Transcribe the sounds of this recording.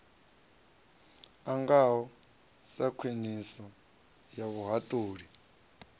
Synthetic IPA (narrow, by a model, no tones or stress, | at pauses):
aŋɡawɔ | sakʰinisɔ | jaβuɦatʼuːɺi